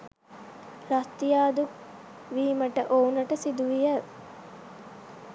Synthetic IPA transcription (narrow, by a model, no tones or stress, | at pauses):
ɾɐst̪ijaːd̪uk | ʋiːməʈəʔounɐʈəsid̪uʋijə